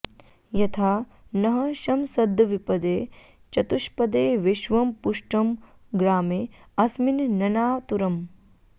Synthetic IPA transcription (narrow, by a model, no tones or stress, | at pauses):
jɐt̪ʰaː | nɐɦɐʃɐmsɐd̪ʱɐʋipɐd̪eː | t͡ʃɐt̪uʃpɐd̪eːʋiʃʋɐmpuʂʈɐm | ɡɾaːmeː | ɐsminnɐnaːt̪uɾɐm